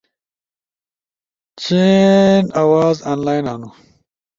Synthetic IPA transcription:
t͡ɕenawaːzaːnlaːjnaːnu

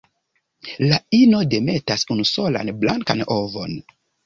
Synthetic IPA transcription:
laino̞de̞me̞tasunuso̞la̰nblaŋka̰novo̞̰n

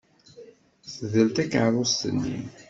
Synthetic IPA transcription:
θəðəlt̪ækːʕɾˤʊst̪ənːḭm

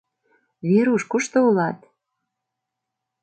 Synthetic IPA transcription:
βeɾuʃkuʃt̪oulɑt̪

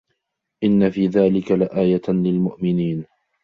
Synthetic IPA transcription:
ʔɪnːafiːðaːlɪkalɪʔaːjalɪlmʊʔmɪniːn

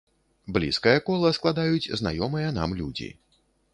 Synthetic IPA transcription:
blʲḭskɐjɐkɔlˠɐsklˠad̪ajut͡sʲzna̰jɔmɨjɐn̪a̰mlʲud͡zʲḭ

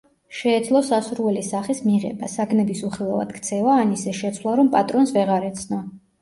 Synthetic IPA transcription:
ʃɛːd̪zlˠɔsasuɾuvɛlisaχismiʁɛ̰basaɡʰnɛbisuχilˠava̰d̪̥kʰt̪sʰɛvaːnisɛʃɛt̪sʰwlˠaɾɔmpʼat̪ʼɾɔnsvɛʁaɾɛt̪sʰna

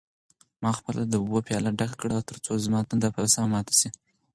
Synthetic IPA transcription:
mɑxpəlʔad̪əubopjɑlaɖakakɽawt̪əɾt͡sozmɑt̪und̪apaɾasamamɑt̪ḁsi

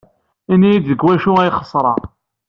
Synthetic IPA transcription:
inːijid̪əɡwæʃuæjχə̥sˤɾˤɑ̰

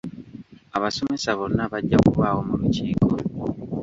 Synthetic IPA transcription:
aβaso̞me̞saβo̞nːaβaɟːakuβawo̞muluciːko

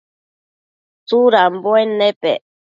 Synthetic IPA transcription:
t͡suɾamboenepḛ

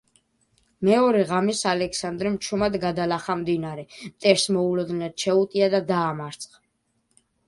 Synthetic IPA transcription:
mɛɔɾɛʁamisalɛkʰsand̪ɾɛmt͡ʃʰumad̪ɡad̪alaχamd̪inaɾɛmt̪ʼɛɾsmɔulɔd̪nɛd̪ʃʰɛut̪ʼiad̪ad̪aːmaɾt̪sʰʼχa

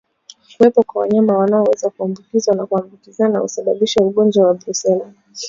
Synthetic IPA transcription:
kuwɛpɔkwawa̰ɲamawanaɔwɛzakuambukizwanakuambukizanaṵsaɓaɓiʃauɠɔnd͡ʒwawabɾusɛla

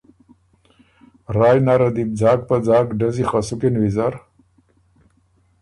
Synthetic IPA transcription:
ɾaːjnaɾad̪ib̚d͡zaːk̚pad͡zaːkɖazixasukenwizaɾ

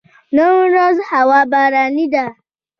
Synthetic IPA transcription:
nomʷʊɾɔzʊhawabaɾanida

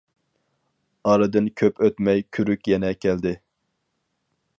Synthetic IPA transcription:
ɑɾɨd̪ɨnkʲʰøpʰøt̪mɛjkʲʰyɾykʲjɛnɛkʲʰɛld̪ɪ

